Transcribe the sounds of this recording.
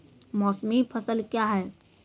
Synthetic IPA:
mɔsmipʰəsəlkjaɦɛː

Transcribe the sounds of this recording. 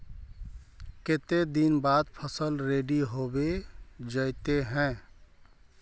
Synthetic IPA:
ket̪ed̪inbad̪pʰəsəlɾeɖiɦobed͡ʒəɪt̪eɦɛ̃

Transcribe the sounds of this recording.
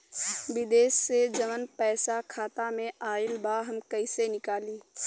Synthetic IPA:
ʋɪd̪eːʃsed͡ʒəmənpɛːsakʰaːt̪amẽʔaːɪlbaɦɐmkɐɪsenɪkaːliː

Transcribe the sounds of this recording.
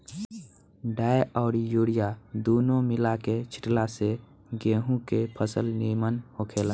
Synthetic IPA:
ɖaːeʔɔːɾijoːɽijad̪oːnomɪlaket͡ʃʰɪ̥ʈlase | ɡẽːɦũkepʰəsəlniɾmənhokʰeːlə

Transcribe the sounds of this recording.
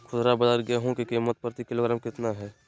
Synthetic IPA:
kʰʊt̪ɾabəd̪əɾɡeɦõkikiːmːət̪̚pəɾt̪ikɪloːɡɾaːmkɪt̪naɦɛː

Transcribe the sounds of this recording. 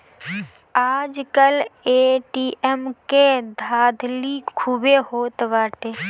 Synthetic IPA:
aːd͡ʒkəleːʈiːʔɛmked̪ʱaːd̪ʱlikʰubeɦoːt̪ʋaːʈeː

